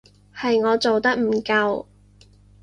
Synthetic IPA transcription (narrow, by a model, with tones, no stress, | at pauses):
hɐ˨jŋɔː˨˧t͡so˨wt̪ɐ˥k̚m̩˨˩kɐ˧w